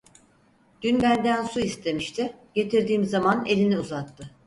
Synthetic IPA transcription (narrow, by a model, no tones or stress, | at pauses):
d̪̥ynbænd̪ænsuist̪ʰe̞miʃt̪ʰɪɟe̞t̪ʰiɾd̪iːmzamane̞lʲiniuzat̪ʰːɯ